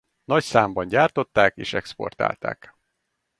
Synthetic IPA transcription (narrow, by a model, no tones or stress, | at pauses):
nɒcsaːmbɒnɟaːrt̪o̞t̪ːaːkḛːʃɛkspo̞̰rt̪a̰ːlt̪a̰ːk